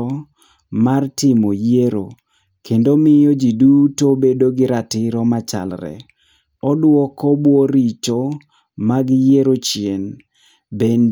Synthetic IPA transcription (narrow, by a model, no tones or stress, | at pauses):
martɪmojeɾo̰ | kendomɪjɔd͡ʒidutobedoɡɪɾatɪɾɔmat͡ʃa̰lrɛ̰ | ɔdwɔkɔbwɔɾit͡ʃo | maɡjeɾot͡ʃien | ben